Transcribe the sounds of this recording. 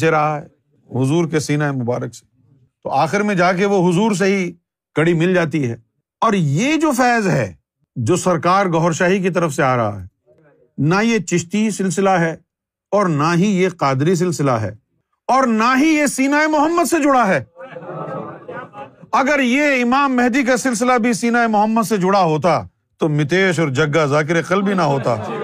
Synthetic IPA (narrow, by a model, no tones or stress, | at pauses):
eɾɐɦaɦɛ | ɦʊzuːɾkesiːnaːemʊbaːɾəkse̥ | t̪o̰aːxɪɾmẽd͡ʒaːk̬eʋoɦʊzuːɾs̬eɦi | kɐɽimɪld͡ʒaːt̪iɦɛ̰ː | ɔːɾjed͡ʒoːfɛːzɦɛː | d͡ʒoːsɐɾkaːɾɡɔɦɾʃaːɦik̬it̪̬ɐɾəfseaːɾɐɦa̰ɦɛː | najet͡ʃɪʃt̪isɪlsɪlaɦɛː | ɔːɾnaɦijeqaːd̪ɾis̬ɪlsɪla̰ɦɛ̰ː | ɔːɾnaɦijesiːnaːemʊɦəmːəd̪sed͡ʒʊɽaɦɛː | ɐɡəɾjeɪmaːmːɛɦd̪ik̬asɪls̬ɪlabʱisiːnaːemʊɦəmːəd̪sed͡ʒʊɽaɦoːt̪̬a | t̪omɪt̪eːʃ̬ɔːɾd͡ʒɐɡːazaːk̬ɪɾeqəlbinaɦoːt̪a̰ː